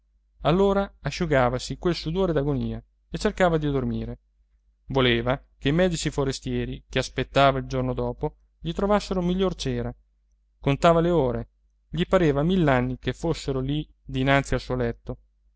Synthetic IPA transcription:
alːoːɾaaʃːuɡaːvasikwelsud̪oːɾed̪aɡoniːa | et͡ʃːerkaːvad̪id̪ormiːɾe | voleːvakeimɛːd̪it͡ʃifoɾest̪jɛːɾikeaspet̪ːaːvaild͡ʒornod̪ɔːpo | ʎit̪ɾovasːeɾomiʎːort͡ʃɛːɾa | kont̪aːvaleoːɾe | ʎipaɾeːvamilːanːikefosːeɾoli | d̪inant̪sialsuolɛt̪ːo

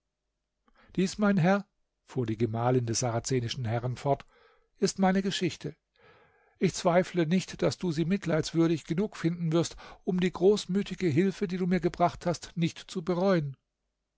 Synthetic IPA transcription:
d̥iːsmaɪnɦɛɐ | fuːɐdiːɡəmaːləndɛsz̥aʁat͡seːnɪʃn̩hɛʁənfɔɐt | ʔɪstmaɪnəɡəʃɪçtʰə | ʔɪçt͡sv̥aɪflənɪçtd̥asd̥uːziːmɪtʰlaɪtsv̥ʏɐɾɪçɡ̥ənuːkfɪndn̩vɪɐstʔʊmdiːɡʁoːsmyːtʰɪɡəɦɪlfədiːduːmiːɐɡəbʁaχthastnɪçtt͡subəʁɔʏən

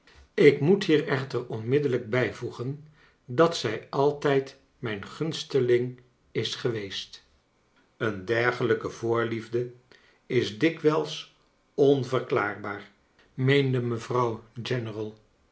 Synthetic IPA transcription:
ɪkmutɦiːrɛχtərɔnmɪdələɡ̚bɛjvuχən | dɑtsɛjɑlˠtɛjt | mɛjnχɵnstəlɪŋ | ɪsχəʋejst | əndɛɹχələkəvʊːɹlivdə | ɪzdɪkʋɛlˠs | ɔnvəɹklaːɹbaːɹ | mejndəməvrɑwd͡ʒɛnərəlˠ

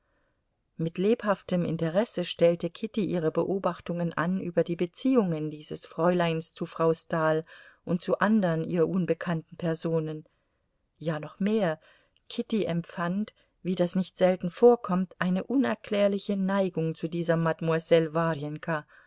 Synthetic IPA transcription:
mɪtleːphaftəmʔɪ̰ntəʁɛsəʃtɛltəkʰɪtiʔiːʁəbəʔoːbaχtʊŋənʔa̰nʔyːbɐdiːbət͡siːʊŋəndiːzəsfʁ̥ɔʏlaɪnst͡sufʁ̥aʊstaːlʔʊnt̚t͡suʔandəʁənʔiːʁɐʔunbəkʰantn̩pʰɛɐzoːnən | jaːnɔχmeːɐ | kʰɪtiʔɛmpfant | viːdasnɪçtz̥ɛltn̩foːɐkʰɔmtʔaɪnəʔʊnɛɐkl̥ɛːɐlɪçənaɪɡʊŋt͡sudiːzɐmadmuazɛlvaʁjɛnkʰa

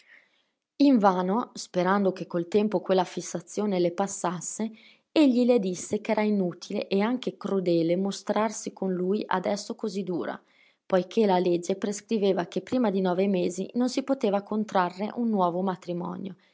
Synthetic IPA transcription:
iɱvaːnospeɾand̪okekːolt̪ɛmpokwelːafisːat̪sːjoːnelepasːasːe | eʎːiled̪isːekɛːɾainut̪ʰilḛʔeaŋk̟ekɾud̪ɛːlemost̪ɾarsikonlujʔa̰d̪ɛsːokozid̪ṵːɾa̰ | pɔjkʰelaled͡ʒːepɾeskɾiveːvakepːɾiːmad̪inɔːvemeːzḭnonsipot̪eːvakont̪ɾarːḛʔunːwɔːvomat̪ɾimɔ̰njo̰

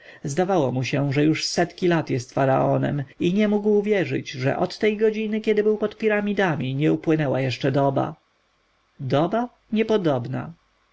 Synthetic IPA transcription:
zd̪avawɔmuɕɛʐɛjuʂsɛt̪kʲilat̪jɛst̪faɾa̰ɔnɛ̰miɲɛmuɡwvʲjɛʐɘ̰d͡ʑʐɛ̰ʔɔt̪ːɛjɡɔd͡ʑinɘkʲɛd̪ɘbɘwpɔt̪pʲiɾamʲid̪amʲiɲɛupwɘnɛwajɛʂt͡ʂɛd̪ɔba̰ | d̪ɔba | ɲɛpɔd̪ɔbna̰

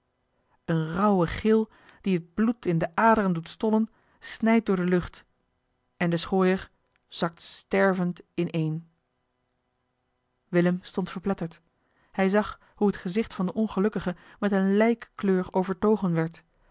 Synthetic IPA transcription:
ənrʌwəχɪlˠ | d̥iɦəd̚blutɪndəʔaːdərəndutstɔlən | snɛjt̚dʊːɹdəlɵχt | ɛndəsχoːjəɹ | z̥ɑk̚tstɛɹvəntɪnʔejn | ʋɪləmstɔntfəɹplɛtəɹt | hɛjzɑχ | huətχəzɪχtfɑndəʔɔnχəlɵkəχə | mɛtənlɛjkkløːɹowvəɹtowχənʋɛɹt

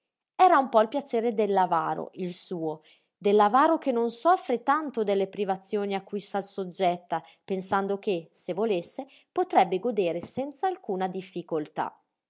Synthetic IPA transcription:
ɛːɾaumpɔilpjat͡ʃeːɾed̪elːavaːɾo̰ilsuːo | d̪elːavaːɾokenːonsɔfːɾet̪ant̪od̪elːepɾivat̪sːjoːniakːujsalsod͡ʒːɛt̪ːa | pensand̪okesevːolesːe | pot̪ɾɛbːeɡod̪eːɾesɛnt̪saːlkuːnad̪ifːikolt̪a̰

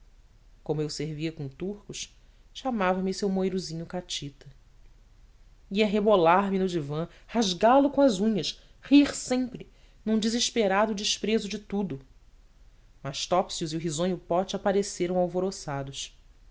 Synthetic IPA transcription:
kõmʊewseɾviɐkõt̪uhkʊʃ | ʃamavɐmɪisewmojɾuzĩɲʊkat͡ʃit̪ɐ | iɐɦebolaɾmɪnʊd͡ʒivɐ̃ | haʒɡalʊkõɐzũɲɐʃ | hiχsẽmpɾɪ | nũd͡ʒiziʃpeɾad̪ʊd͡ʒɪʃpɾezʊd͡ʒɪt̪ud̪ʊ | mɐʃt̪ɔpsiʊziʊɦizõɲʊpɔt͡ʃapaɾeseɾɐ̃w̃awvoɾosad̪ʊʃ

